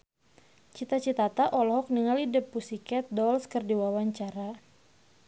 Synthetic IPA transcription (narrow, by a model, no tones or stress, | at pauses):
t͡ʃit̪at͡ʃit̪at̪aʔɔlɔɦɔk̚niŋalidəpːusikɛt̪̚dɔlskərdiwawaɲt͡ʃaɾa